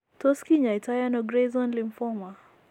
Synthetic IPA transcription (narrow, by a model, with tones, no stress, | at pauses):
tɔ˦ski˦ɲa˨i˨ta˦ja˦nɔɡɾezɔ˦nlimfɔma˨